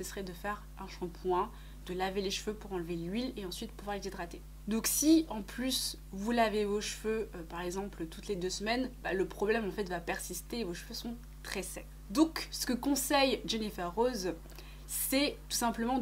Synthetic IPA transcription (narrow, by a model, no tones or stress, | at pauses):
sɛsəʁɛd̪əfɛʁ | ɛ̃ʃɑ̃pwɛ̃ | d̪̥əlaveleʃføpuʁɑ̃lvelɥileɑ̃sɥit̪puvwaʁlezid̪ʁat̪e | d̪ɔ̃ksiɑ̃plys | vulavevoʃføøpaʁɛɡzɑ̃plət̪ut̪led̪øsmɛnbaləpχɔblɛmɑ̃fɛt̪vapɛʁsist̪eːvoʃføsɔ̃ | t̪χɛsɛ | d̪ɔ̃ksə̥kəkɔ̃sɛjʒenifɛʁoz | sɛt̪u̥sɛ̃pləmɑ̃